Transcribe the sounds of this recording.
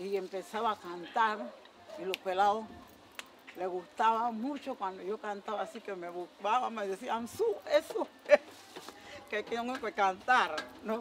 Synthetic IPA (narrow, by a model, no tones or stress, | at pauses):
iempesaβaːkant̪aɾ | ilokwelao | leɣust̪aβamut͡ʃokwand̪ojokant̪aβasikemeβukaβameðesiansuesoe | kekeoekekant̪aɾno